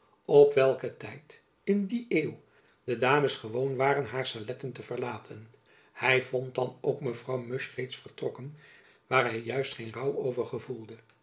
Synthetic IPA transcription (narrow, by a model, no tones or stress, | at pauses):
ɔpʋɛlˠkətɛjt | ɪndiʔeːw | d̥ədaːməsχəʋownʋaːrənɦaːɹsalɛtəntəvərlaːtʰən | hɛjvɔnt̚dɑnowkməvrɑwmɵʃrejtsfəɹtrɔkən | ʋaːrɦɛjːœɥstχejnrɑwowvəɹχəvulˠdə